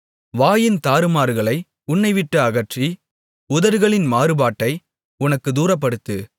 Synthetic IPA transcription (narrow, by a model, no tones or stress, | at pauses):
ʋaːjɪnt̪aːɾɯmaːɾɣɐɭɐɪ | ʊɳːɐɪʋɪʈːɐɐɣɐʈri | ʊðɐɾɣɐɭɪnmaːɾɯbaːʈːɐɪ | ʊnɐkːɯd̪uːɾɐp̬ːɐɽɯt̪ːɯ